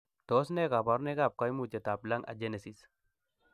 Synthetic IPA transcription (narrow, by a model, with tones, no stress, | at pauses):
t̪ɔ˨˦sne˦ka˨ba˨˦ɾne˦ɡa˦˨p̚ka˨˦jmu˨t͡ʃe˨t̪a˨pla˦ŋʔa̰˨d͡ʒe˦ne˨si˨s